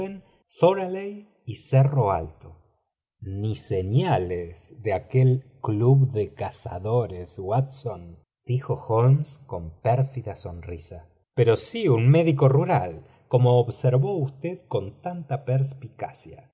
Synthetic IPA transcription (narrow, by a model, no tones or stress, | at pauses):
en | θoɾalej | iseroa̰lt̪o | niseɲalesðeakelkluβðekasa̰ðoɾeswat̪son | d̪̥ixoxonsko̞mpeɾfiðaso̞nrisa | peɾo̞siunmeðiko̞ruɾal | ko̞moːβseɾβo̞ust̪eðko̞nt̪ant̪apeɾs̬pikasja̰